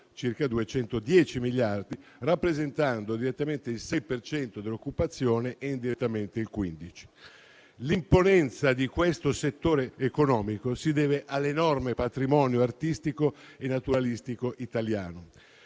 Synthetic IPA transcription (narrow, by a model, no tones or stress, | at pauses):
t͡ʃirkad̪uet͡ʃɛnt̪od̪jɛːt͡ʃimiljard̪irapːɾezent̪and̪od̪iɾet̪ːament̪eilsɛjpert͡ʃɛnt̪od̪elːokːupat̪sːjoːneʔeind̪iɾet̪ːament̪eilkwind̪it͡ʃi̥ | limponɛnt̪sad̪ikwest̪oset̪ːoːɾeːkonɔːmikosid̪ɛːveʔalːenɔrmepat̪ɾimɔːnjoart̪ist̪ikoenːat̪uɾalist̪ikoʔit̪aljaːno